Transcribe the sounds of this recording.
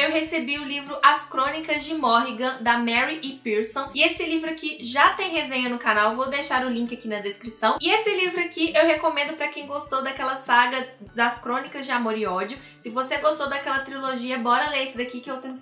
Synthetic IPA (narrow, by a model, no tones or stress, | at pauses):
ewɦesebiʊlivɾʊʔɐskɾõnikɐzd͡ʒɪmɔɦiɡɐ̃d̪ɐmɛɾiʔɪpiɾsõw̃ɪesɪlivɾʊɐkɪʒat̪ẽj̃ɦezẽɲɐnʊkanawvowd̪ejʃaɾʊlĩŋkʲɪakinɐd̪eskɾisɐ̃w̃ɪesɪlivɾʊɐkiʔewhekomẽnd̪ʊpɾɐkẽj̃ɡost̪owd̪ɐkɛlɐsaɡɐd̪ɐskɾõnikɐzd͡ʒɪamoɾɪɔd͡ʒjʊ | sɪvoseɡost̪owd̪ɐkɛlɐt̪ɾiloʒiɐbɔɾɐlesɪd̪ɐkikɪewt̪ẽj̃